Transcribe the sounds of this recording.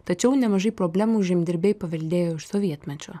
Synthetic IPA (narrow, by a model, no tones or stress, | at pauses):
t̪ɐt͡ʃʲɛʊnʲɛmɐʒɐɪpɾoːbʲlʲæmuʒʲɪmʲd̪ʲɪɾʲbʲejpɐʋʲɛlʲd̪ʲeːjoːɪʃsoʋʲiɛt̪ʲmʲɛt͡ʃʲoː